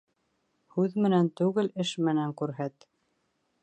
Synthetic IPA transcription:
hʉðmɘ̆nænt̪ʉɣɘlɘʃmɘ̆næŋkʉɾɦæt̪

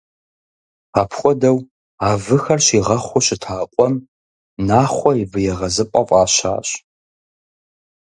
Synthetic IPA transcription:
aːpʰχʷɔdɐw | aːvɨxɐrɕiʁɐχʷʊɕɪtʰaːqʷʼɔm | naːχʷɔivɨjɛʁɐzɨpʼɐqʷʼaːɕa̰ːɕ

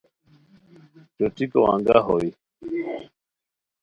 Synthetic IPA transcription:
t͡ʃɔtikɔ̰wa̰ŋɡaɦɔi

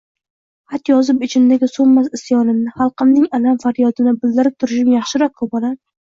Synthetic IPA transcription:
hat̪jɒzɪpɪt͡ʃʰɪnd̪aɡʲɪsomːasɪsjɒnɪmnɪhɑlˠqɨmnɪŋalamfaɾjɒd̪ɪnɪbɪld̪ɪɾɪp̚t̪ʰʊɾɪʃɪmjɑχʃɪɾɒk̚kʰopɒla

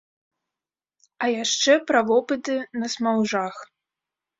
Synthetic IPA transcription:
ɐjaʂt͡ʂɛpɾavɔpɨt̪ɨnɐsmawʐax

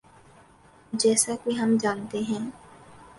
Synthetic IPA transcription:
d͡ʒɛːsakiɦəmd͡ʒaːnt̪eɦɛ̃ː

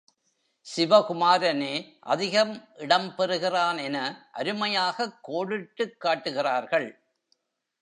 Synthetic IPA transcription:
sɪʋɐkʊmaːɾɐneːʔɐ̰ðɪɣɐmʔɪɽɐmpɛɾɯɣɪraːnɛnɐʔɐɾɯmɐjaːɣɐkːoːɽɪʈːɯkːaːʈːɯɣɪraːɾɣɐɭ

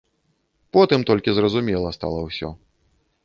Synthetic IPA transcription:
pɔt̪ɨmt̪ɔlʲkʲizrɐzumʲɛlˠɐst̪a̰lˠɐwsʲɔ̰

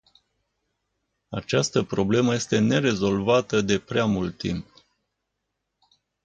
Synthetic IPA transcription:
at͡ʃast̪əpɾo̞ble̞məje̞st̪e̞ne̞ɾe̞zo̞lvat̪əd̪e̞pɾeamult̪ːimp

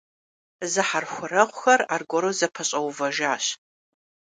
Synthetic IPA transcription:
zɨħarxʷʊɾɐʁʷʊxɐraːrɡʷɔɾozɐpʰɐɕʼɐwvɐʒaːɕ

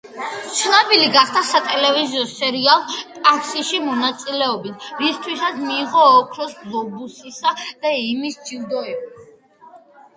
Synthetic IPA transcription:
t͡ʃʰlabiliɡaχd̪asat̪ʼɛlɛviziɔsɛɾialˠp̪ʼakʰsiʃimɔnat̪sʼilɛɔbit̪ʰɾist̪ʰwisat̪sʰmiːʁɔːkʰnɔsɡlˠɔbusisad̪̥aimisd͡ʒivd̪ɔɛba

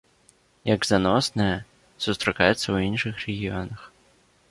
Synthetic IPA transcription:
jɐɡzanɔsnɨjɐ | sust̪ɾakajɛt̪sːɐwinʂɨxrɛɣʲijɔnɐx

